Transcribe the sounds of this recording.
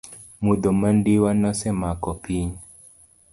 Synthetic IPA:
mud̪omandiwanɔsɛmakɔpiɲ

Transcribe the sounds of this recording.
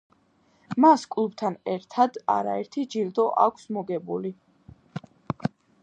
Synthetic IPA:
maskʼlˠub̚t̪ʰanɛɾt̪ʰad̪a̰ɾaɛɾt̪ʰid͡ʒiɾd̪ɔʔa̰kʷʰsmɔɡɛbuli

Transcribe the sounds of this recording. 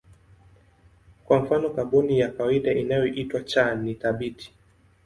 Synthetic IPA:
kwaɱ̩fanɔkaɓɔnijakawaiɗaʔinajɔʔitwat͡ʃaniθaɓitʰi̥

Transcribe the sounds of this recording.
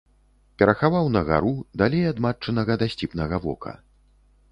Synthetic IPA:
pʲɛɾɐxavawnɐɣa̰ɾud̪alʲejad̪mat͡ʂːɐnɐɣɐd̪asʲt͡sʲipnɐɣɐvɔ̰kʰɐ̰

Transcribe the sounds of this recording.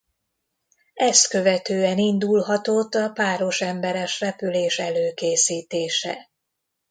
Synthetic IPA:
ɛst̪kø̞vɛt̪øːɛnind̪ulɦɒt̪o̞t̪ːɒpaːɾo̞ʃɛmbɛɾɛʃrɛpyleːʃɛløːkeːsiːt̪eːʃɛ̰

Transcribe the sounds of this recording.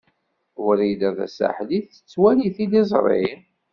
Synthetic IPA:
ʊɾid̪æðæ̰sa̰ħliθə̥t͡sːwæliθid̪izˤɾˤḭn

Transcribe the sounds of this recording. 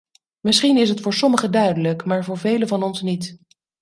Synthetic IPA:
mɪsχinɪsɦətfʊːɹsɔməχədœɥdələkmaːɹvʊːɹvejləvɑnɔnsnit

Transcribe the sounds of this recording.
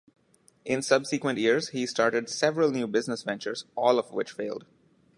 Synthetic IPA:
ʔɪ̃nsʌbsikwə̃nʈjiɾz̥hiːsʈaːɹʈɪɖsɛʋɾəlnjuːbɪznəsʋɛ̃nt͡ʃəɾzɔːlɔʋwɪ̰t͡ʃfeːlɖ

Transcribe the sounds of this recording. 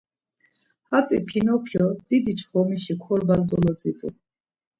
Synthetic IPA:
hat͡sʼḭpʰinɔpʰjɔd̪̥id̪it͡ʃʰχɔmiʃikʰɔlbald̪ɔlɔt͡sʼit̪ʼṵ

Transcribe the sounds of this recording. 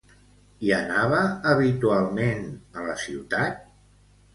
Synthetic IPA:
iənaβ̞əːβit̪ualˠmenələsiwt̪at̪̚

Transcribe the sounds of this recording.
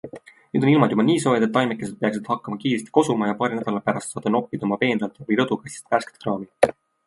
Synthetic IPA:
nyːd̪oilmɑd̪jubɑniːso̞ːjed̪et̪ːɑjmekˑːese̞d̪̚pe̞ɑksid̪̥hɑkːɑmɑkiːɾest̪i̥ko̞sumɑjɑpɑːɾinæd̪ɑlɑpæɾɑst̪sɑːd̪̥ɑno̞pːid̪omɑpe̞ːnd̪ɑlt̪vɤjɾɤd̪̥ukɑsist̪væske̥t̪krɑːmi

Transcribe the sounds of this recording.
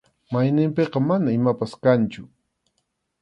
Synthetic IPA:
majnɪmpeqɑmanaɪmapaskant͡ʃʊ

